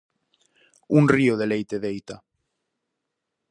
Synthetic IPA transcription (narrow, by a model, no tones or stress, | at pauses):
uŋrioðelejt̪eðejt̪a